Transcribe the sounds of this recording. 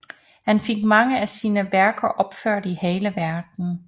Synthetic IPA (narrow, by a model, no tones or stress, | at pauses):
hænfe̝ɡ̥mɑ̈ŋəæsiːnəʋæɐɡ̥ɐʔɒ̽b̥fø̰ɐ̰diheːləʋæɐɡ̥n̩